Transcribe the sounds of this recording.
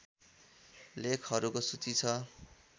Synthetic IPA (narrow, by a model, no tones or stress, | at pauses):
lekʰɦʌɾukosut͡sit͡sʰʌ